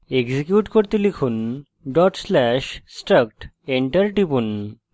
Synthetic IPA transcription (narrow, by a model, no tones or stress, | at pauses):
eɡd͡ʑikjuʈkoɾt̪elikʰuːn | ɖɔʈslɛɕsʈək̚ʈ | eɳʈəɾʈipun